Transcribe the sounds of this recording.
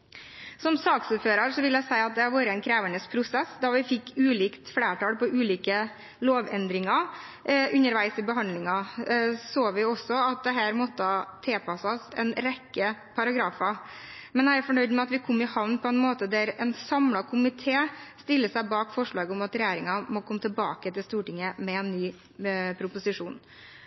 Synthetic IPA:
sɔmsɑːksuːɾføːɾɑɾʂɔʋɪljæɪsæɪɑt̪̚d̪ɛhɑɾʋoːɾəɛɪnkʰɾeːʋəɳəspʰɾʊsɛsːd̪ɑʋɪfɪkːʉːliːkt̪fleːʈɑːlpɔʔʉːliːkə | loːʋɛnd̪ɾɪŋɑ | ʉnːəɾʋæɪsɪbəɦɑnd̪lɪŋɑ | soːʋɪɔsːɔɑt̪̚d̪ɛɦæːɾmɔt̪ːəɑt̪ʰeːpɑsɑsɛ̰nɾɛkːəpʰɑɾɑɡɾɑːfɑ | mɛnjæɪæɾfɔɳœʏd̪əmɛɑt̪ʋɪkʰɔmːɪhɑʋnpʰɔɛnmoːt̪əd̪æɾɛnsɑmlɑkʰʊmɪt̪ʰeːst̪ɪlːəsæɪbɑːkfɔʂɭɑːɡəɔmɑt̪ɾɛjeːɾɪŋɑmɔkʰɔmːət̪ʰɪbɑːkət̪ɪlst̪uːʈɪŋːəmɛɛnːyː | pʰɾʊpʊsɪʂuːn

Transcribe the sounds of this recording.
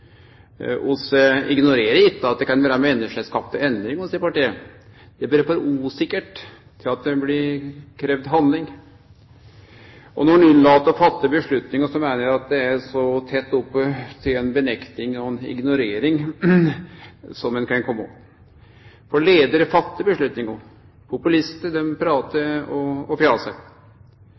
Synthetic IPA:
ʔʊsəɪɡnʊɾeːɾəɾɪt̪ːəɑt̪̚d̪ɛkɑnʋæːɾəəmɛɛnːəʂəskɑpt̪əɛnd̪ɾɪŋɔsiːəpɑʈiːə | d̪̥ɛbɛɾːfɔɾuːsɪkːəʈ | t̪ʰːɪlɑt̪̚d̪ɛblɪɾkʰɾɛʋd̪ɦɑnd̪lɪŋ | ɔnɔɾɑnɪnːlɑːt̪ːɔfɑt̪ːəbəʂɭʉt̪nɪŋəsɔmæɪnəɾæɑt̪̚d̪ɛæɾsɔt̪ʰɛt̪ːʊpːət̪ʰɪlɛnbənɛkt̪ɪŋɔɛnɪ̰ɡnʊɾeːɾɪŋ | sɔmɛnkʰɾɛŋkʰɔmːu | fɔɭeːd̪əɾəfɑt̪ːəbəʂɭʉt̪nɪŋɔ | pʰʊpʉlɪst̪əd̪ɛmpʰɾɑːt̪əɔɔfjɑːsæɪ

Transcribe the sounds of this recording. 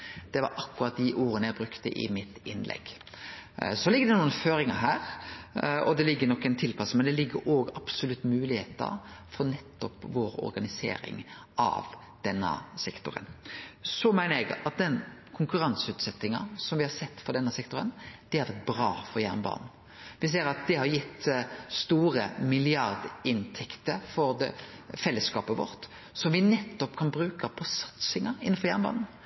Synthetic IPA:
d̪̥ɛʋɑ̰ɾʔɑkːʉɾɑt̪̚d̪ɪʔuːɾənəjæɪbɾʉkt̪əʔɪ̰mɪt̪ɪnːlʔɛ̰ɡ | sɔlɪɡəd̪ɛnuːənføːɾɪŋə̰ɦæːɾ | ɔd̪ɛlɪɡːənɔkːɛnt̪ʰɪlpɑsəmɛnd̪ɛlɪɡːəɾʔoːɡɑb̥sʊlʉt̪ːmʉːlɪheːt̪ə̰ɾfɔɾnɛt̪ːɔpʋoːɾɔ̰ɾɡɑnɪsḛːɾɪ̰ŋ | ʔɑ̰ʋ | d̪̥ɛnːə̰sɛkt̪ʊɾə̰nsɔmæɪnəɾɛɡɑt̪̚d̪ɛnkʰʊŋkʉɾɑnsʉːt̪sɛt̪ːɪŋɑ̰sɔmʋɪhɑɾsɛt̪ːfɔɾd̪ɛnːəsɛkt̪ʊɾə̰nd̪̥ɪhæɾʋæt̪̚bɾɑːfɔɾjæ̰ɾnbɑ̰ːnn̩ | ʋɪs̬eːɾɑt̪̚d̪ɛhɑɾjɪt̪ːst̪uːɾəmɪlɪɑɾd̪ɪnt̪ʰɛkt̪əfɔɾd̪ɛ | fɛlːəskɑːpəʋɔ̰ɾt̪ | sɔmʋɪnɛt̪ːɔpkʰɑnbɾʉːkəpʰɔsɑ̥t̪sɪŋɑɪnːnfɔɾjæɾnbɑ̰ːnn̩

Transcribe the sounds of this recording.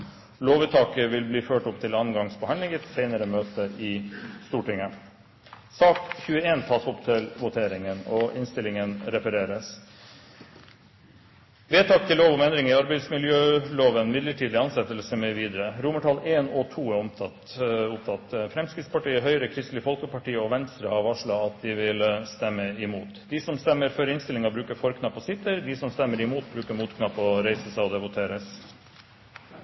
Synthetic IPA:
loːʋɪt̪ʰɑːkəʋɪlbliːføːʈʊpt̪ʰɪlɑːnɡɑŋsbəhɑnd̪lɪŋət̪sɛɪnəɾəmøːt̪əʔɪst̪uːʈɪŋə | sɑːk̪çʉːəeːnt̪ʰɑːsʊpt̪ʰɪlʋʊt̪ʰeːɾɪŋənɔɪnst̪ɪlɪŋənɾɛfəɾeːɾəs | ʋeːt̪ʰɑːk̚t̪ʰɪloːʋɔmɛnd̪ɾɪŋɪɑɾbæɪd̪smɪljøːloːʋənmɪd̪ləʈʰiːd̪ɪɑnsɛt̪ːəlsəmɛʋiːd̪əɾəɾʊməʈʰɑːleːnɔt̪ʰuːæɾɔmt̪ʰɑt̪ʊp̚t̪ʰɑt̪fɾɛmskɾɪt̪spʰɑʈiːəɦœʏɾəkʰɾɪst̪lɪəfɔlkəpɑʈiːəɔʋɛnst̪ɾəhɑɾʋɑʂɭɑɑt̪̚d̪ɪʋɪlst̪ɛmːəɪmuːt̪d̪ɪsɔmst̪ɛmːəɾfœɾɪnst̪ɪlɪŋɑbɾʉːkəfɔɾkʰnɑpːɔsɪt̪ːəɾd̪ɪsɔmst̪ɛmːəɾɪmuːt̪̚bɾʉːkəɾmuːt̪kʰnɑpːɔɾeɪsəsɛɪɔd̪ɛʋʊt̪ʰeːɾəs

